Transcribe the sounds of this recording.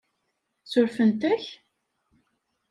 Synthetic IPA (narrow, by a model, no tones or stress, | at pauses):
sʊɾfənt̪æç